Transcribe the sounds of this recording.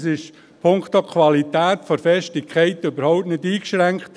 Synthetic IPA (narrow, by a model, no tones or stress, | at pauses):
sɪʃ | pʰʊŋktokʰʋɑlitæːtfɔɾfɛʃtɪkʰχɛɪt̪øbəɾhɔʊp̚tnɪdiːkʃɾæŋkχt